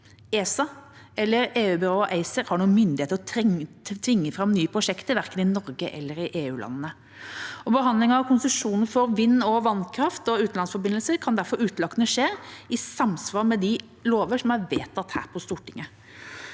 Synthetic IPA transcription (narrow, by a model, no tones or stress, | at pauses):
eːsɑ | ɛlːəɾeːʉːbɪɾoːʔæɪsəɾhɑɳuːəmʏnd̪ɪheːt̪əɾɔt̪ʰʋɪŋːəfɾɑmnyːəpʰɾʊʂɛkt̪əʋæɾkənɪnɔɾɡəʔɛ̰lːəɾɪʔeːʉːlɑ̰nnə | ɔbəɦɑnd̪lɪŋəɑʋkʰʊnsəʂuːnəfɔɾʋɪnːɔʋɑnkʰɾɑft̪ɔʉːt̪n̩lɑnsfɔɾbɪnəlsəkʰɑnd̪æɾfɔɾʉːt̪lɑkːənəʂeːɾɪsɑmsʋɑːɾmɛd̪ɪ | loːʋəʂɔmæʋeːt̪ɑt̪hæ̰ːɾpʰɔst̪uːʈʰɪŋːə